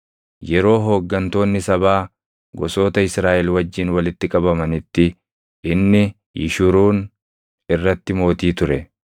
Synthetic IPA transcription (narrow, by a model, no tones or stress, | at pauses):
jɛɾo̞ːɦo̞ːɡːɐnt̪o̞ːnːɪsɐbaː | ɡɔso̞ːt̪ɐɪsɾaːʔɛlwɐd͡ʒːɪnwɐlɪt̪ːɪkʼɐbɐmɐnɪt̪ːɪ | ɪnːɪ | jɪ̰ʃʊɾuːn | ɪrːɐt̪ːɪmo̞ːt̪iːt̪ʊɾɛ